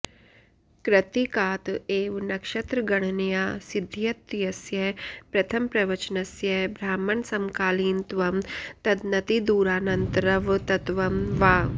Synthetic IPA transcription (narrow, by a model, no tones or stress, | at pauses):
kɾɐt̪ikaːt̪eːʋnɐkʃɐt̪ɾɐɡɐɽ̃njaːsɪd̪ʱjɐt̪jɐsjɐpɾɐt̪ʰɐmpɾɐʋɐt͡ʃnɐsjɐɦbʱɾaːmɐnsɐmkaːliːnt̪ʋɐmt̪ɐd̪nɐt̪id̪uːɾaːnɐnt̪ɾɐʋt̪ɐt̪ʋɐmʋaː